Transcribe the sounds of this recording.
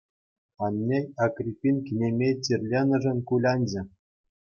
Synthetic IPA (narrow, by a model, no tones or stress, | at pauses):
ɑnʲːejɑkrʲipʲːinʲkʲinʲemʲet͡ɕʲirʲlʲenɤ̆ʐɘ̆nʲkulʲɑnʲd͡ʑɘ̆